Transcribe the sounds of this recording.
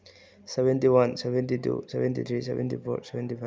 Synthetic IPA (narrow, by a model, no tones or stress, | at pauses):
sɛbɛntiwansɛbɛntitṵsɛbɛntit̪ʰɾisɛ̰bɛ̰ntʰipʰɔ̰ɾsɛbɛntipʰa